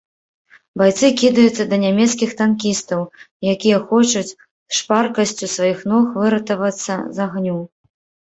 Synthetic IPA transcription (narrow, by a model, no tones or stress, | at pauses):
bajt̪sɨkʲid̪ɐjut̪sːɐd̪ɐnʲamʲɛt̪s̬kʲixt̪ankʲist̪ɐw | jakʲijɐxɔt͡ʃut͡sʲ | ʂparkɐsʲt͡sʲusvajixnɔxvɨɾɐt̪ɐvɐt̪sːɐ̰zaɣnʲu